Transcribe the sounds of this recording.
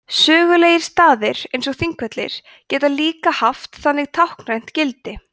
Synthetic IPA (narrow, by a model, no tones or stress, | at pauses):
sœːɣʏleːjɪɾ̥st̪aːðɪɾ̥ejnsɔɣθiŋkvɛt̪lɪ̰ɾ̥ | cɛːt̪aliːkahaft̪θanːɪɣt̪ʰawhknrajn̥t̪cɪlt̪ɪ